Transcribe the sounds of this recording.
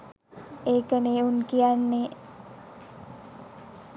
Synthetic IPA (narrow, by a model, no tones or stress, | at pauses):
eːkəneunkijanːe